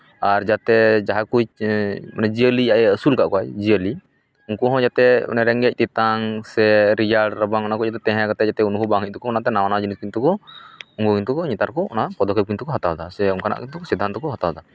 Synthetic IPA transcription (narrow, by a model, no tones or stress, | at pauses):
aɾd͡ʒat̪ɛd͡ʒaɦakujmanɛd͡ʒiəliaɛəsulkaʔkɔajd͡ʒiəli | uŋkuɦɔ̃d͡ʒat̪ɛ̰nɛɾɛŋɡɛc̚ˀt̪it̪aŋsɛɾid͡ʒaɾɖɾəbaŋɔnakɔd͡ʒat̪ɛt̪ɛ̃ɦɛ̃kat̪ɛd͡ʒat̪ɛunuɦubaŋɦic̚ˀt̪ɔkɔɔnat̪ɛnawanad͡ʒiniskint̪ukɔuŋɡukint̪ukɔɲɛt̪aɾkɔɔ̰napɔd̪ɔkip̚kint̪ukɔɦat̪awd̪asɛuŋkana̰ʔkint̪ukɔsid̪ʱːant̪ɔkɔɦat̪awd̪a